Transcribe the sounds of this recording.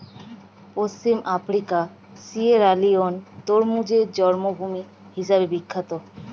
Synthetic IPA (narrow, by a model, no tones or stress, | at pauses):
post͡ɕimafɾika | sieɾaliont̪oɾmud͡ʑed͡ʑɔɾmobʱumi | hiʃabebikʰːat̪o